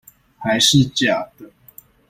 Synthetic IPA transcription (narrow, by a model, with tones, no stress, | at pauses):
xa˨˦ɪʂɻ̩˥˨t͡ɕja˨˩d̪ə˦